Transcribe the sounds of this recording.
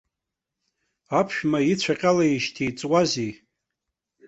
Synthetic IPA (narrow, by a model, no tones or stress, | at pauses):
apʰʃᶣmait͡ɕʷʰaqʲʼalaiʃtʰijt͡sʼwazi